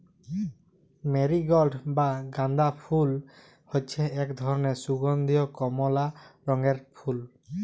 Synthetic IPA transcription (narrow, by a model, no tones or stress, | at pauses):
meɾiɡɔlɖbaɡãnd̪apʰul | hojt͡ʃʰɛɛkd̪ʱɔɾɔnesuɡɔnd̪ijɔkɔmɔlaɾɔŋeɾpʰul